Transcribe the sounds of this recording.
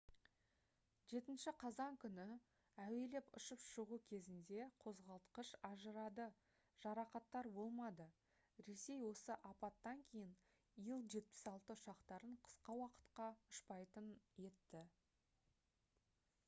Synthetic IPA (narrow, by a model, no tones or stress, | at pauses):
ʒe̞t̪ɪnʃɪqʰɑzɑŋkʲʰʏnɪ | æwe̞le̞pʊ̰ʃəpʃəʁukʲʰe̞zɪnd̪e̞qʰo̞zʁɑlˠt̪qəʃɑʒəɾɑd̪ə | ʒ̥ɑɾɑqɑt̪ːɑɾbo̞lˠmɑd̪ə | ɾe̞se̞jwo̞səʔɑpɑt̪ːɑŋkʲʰejɪn | ijəlˠʒe̞t̪̚pɪ̥sɑlˠt̪əʊʃɑqt̪ɑɾəɴqʰə̥sqɑwɑqə̥t̪qɑʊʃpɑjt̪ənje̞t̪ːɪ